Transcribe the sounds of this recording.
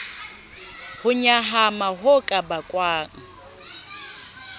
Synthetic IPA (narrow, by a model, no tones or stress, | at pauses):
hʊɲaɦamaɦʊkʼabakʼwaːŋ̩